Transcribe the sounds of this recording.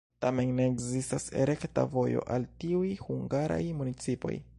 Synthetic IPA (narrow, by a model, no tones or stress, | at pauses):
tame̞nneːkzistasḛɾe̞kta̰vo̞jo̞̰ʔaltiujhuŋɡaɾa̰jmunit͡sipo̞̰j